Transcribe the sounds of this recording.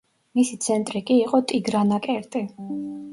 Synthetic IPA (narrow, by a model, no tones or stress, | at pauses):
misit̪sʰɛnt̪ʼɾikʼiːqʼɔt̪ʼiɡɾanakʼɛɾt̪ʼi